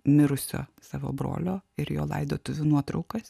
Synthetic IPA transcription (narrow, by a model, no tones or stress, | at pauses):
mʲɪɾʊsʲo̰ːsɑːʋo̰ːbɾo̰ːlʲoːɪɾjo̰ːlˠɐ̰ɪd̪oːt̪ʊʋʲʊnuɔt̪ɾɒʊkɐs